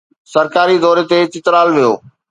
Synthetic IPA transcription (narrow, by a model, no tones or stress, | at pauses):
sɐɾkaːɾid̪ɔːɾet̪et͡ɕɪt̪ɾaːlʋijo̰ː